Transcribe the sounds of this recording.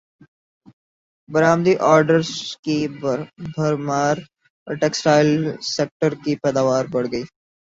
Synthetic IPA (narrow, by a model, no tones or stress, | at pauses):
bɐɾaːmd̪iʔɔːɾɖəɾzki | bʱɐɾmaːɾ | ʈeːksʈaːɪlseːk̚ʈəɾkipɛːd̪aːʋaːɾbɐɽ̤ɡəiː